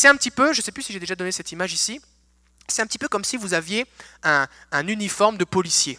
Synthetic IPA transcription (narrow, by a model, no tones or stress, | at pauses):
sɛt̪ɛ̃pət̪ipøʒəsɛplysiʒed̪eʒad̪ɔnesɛt̪imaʒisi | sɛt̪ɛ̃pət̪ipøkɔmsivuzavjeɛ̃ɛ̃nynifɔʁmd̪əpɔlisje